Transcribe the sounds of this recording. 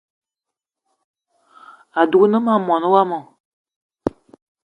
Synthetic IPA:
a˨du˨ɡu˦nə˦ma˦˨mɔ˨nə˦wa˦mɔ˨

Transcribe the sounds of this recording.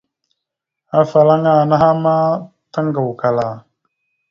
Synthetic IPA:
a˨fa˨la˦ŋa˦˨na˦ɦa˦ma˦ | ta˦ŋ˦ɡa˨wka˨la˨

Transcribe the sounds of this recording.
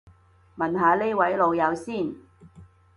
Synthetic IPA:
mɐ˨˩nɦaː˨˧le˥wɐ˨˥jlo˨˧wjɐ˨˧wsiː˥˩n

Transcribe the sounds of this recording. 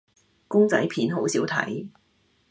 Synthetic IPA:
kʊ˥ŋt͡sɐ̰˨˥jpʰiː˨˥nɦo˨˥wsiː˨˥wt̪ʰɐ̰˨˥j

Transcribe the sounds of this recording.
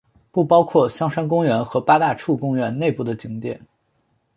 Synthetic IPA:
pu˥˩pɑ˥ʊkʰwɔ˥˩ɕjɑ˥ŋʂa˥nk̬ʊ˥ŋɥɛ˧˥nxɤ˧˥pa˥t̪a˥˧ʈ͡ʂʰu˥˩kʊ˥ŋɥɛ˧˥nne˥˧ɪpu˥˩d̪ə˩t͡ɕi˧˥ŋt̪jɛ˨˩˦n

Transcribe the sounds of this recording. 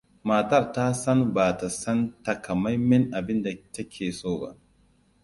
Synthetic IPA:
maː˨tɐ˦ɾta˦sa˦nbaː˨ta˨sɐ˦nta˨ka˨ma˦jmɛ˦nʔa˨bi˦nda˨ta˦kʲʰeː˨soː˦ɡa̰˨

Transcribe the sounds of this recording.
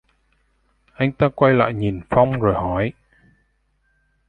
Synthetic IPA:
ʔa˧jŋ̟t̪aː˧kwa˧jla̰ː˧˨jɲi˨˩nfa˧wŋ͡mzo˨˩jɦɔ˨˦j

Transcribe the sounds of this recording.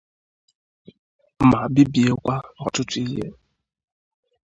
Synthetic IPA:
ma˨bi˦bi˨e˦kʷa˦ɔ˨tʊ˦tu˦i˦ɦḛ˦

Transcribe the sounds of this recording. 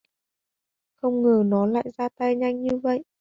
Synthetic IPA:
xə˧wŋ͡mŋɨ˨˩nɔ˨˦la̰ː˧˨jzaː˧t̪a˧jɲa˧jŋ̟ɲɨ˧və̰˧˨jʔ

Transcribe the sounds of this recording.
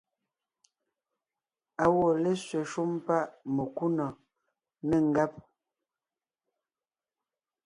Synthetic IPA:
a˨wɔ˨le˦sɥe˨ʃu˦mpa˦ʔme˨ku˦nɔ˨ | ne˨ŋ̩˨ɡa˦p̚

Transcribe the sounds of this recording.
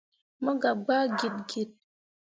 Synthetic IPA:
mə˦ɡa˨ɡ͡ba˦ɡi˨t̚ɡi˨t̚

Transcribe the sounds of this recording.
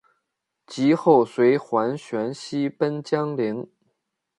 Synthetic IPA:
t͡ɕi˧˥xo˥˩ʊswe˧˥ɪxwa˧˥nɕɥɛ˧˥nɕi˥pə˥nt͡ɕjɑ˥ŋli˧˥ŋ

